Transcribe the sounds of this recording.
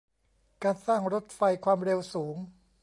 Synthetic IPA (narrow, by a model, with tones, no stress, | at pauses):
kaː˧nsaː˥˩ŋɾo˦˥t̪̚fa˧jkʰwaː˧mɾe˧wsuː˩˦ŋ